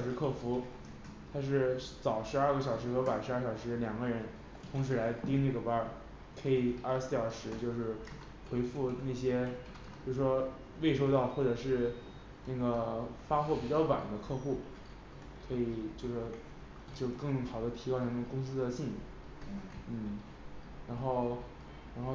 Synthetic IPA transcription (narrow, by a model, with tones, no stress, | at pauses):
ʂɻ̩˧˥kʰɤ˥˩fu˧˥ | t̪ʰa˥ʂ̬ɻ̩˥˩t͡sɑ˨˩ʊʂɻ̩˧˥ɐ˞˥˩ɡə˩ɕjɑ˨˩ʊʂɻ̩˧˥xɤ˧˥pa˨˩ʂɻ̩˧˥a˥˩ɕjɑ˨˩ʊʂɻ̩˧˥ljɑ˨˩ŋɡə˦ɻə˧˥n | t̪ʰʊ˧˥ŋʂ̬ɻ̩˧˥la˧˥ɪt̪i˥ŋna˥˩ɡə˩pa˧˥ | kʰɤ˧˥i˨˩ə˞˥˩sɹ̩˥˩jɑ˨˩ʊʂɻ̩˧˥t͡ɕjo˥˧ʊʂɻ̩˥˩ | xwe˧˥ɪfu˥˧na˥˩ɪɕjɛ˥ | t͡ɕjo˥˩ʊʂɻ̩˩ʂwɔ˥ | we˥˩ɪʂo˥ʊt̪ɑ˥˧ʊxwɔ˥˩ʈ͡ʂɤ˨˩ʂɻ̩˥˧ | na˥˩ɡə˩fa˥xwɔ˥˩pi˨˩t͡ɕjɑ˥˩ʊwa̰˨˩nd̪ə˦kʰɤ˥˧xu˥˩ | kʰɤ˧˥i˨˩t͡ɕjo˥˧ʊʂɻ̩˥˩ | t͡ɕjo˥˧ʊkɤ˥˩˧ŋ˩xɑ˨˩ʊd̪ə˦t̪ʰi˧˥kʊna˥˩n˥˩kʊ˥ŋs̬ɹ̩˥d̪ə˨ɕi˥˩nḭ˨˩ | n̩˥˩ | ɻa˧˥nxo˥˩ʊ | ɻa˧˥nxo˥˧